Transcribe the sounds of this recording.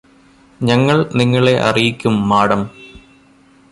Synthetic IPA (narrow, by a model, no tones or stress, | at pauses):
ɲɐŋːɐɭniŋːɐɭe̞ʔɐ̰rijikʲːumːaːɽɐm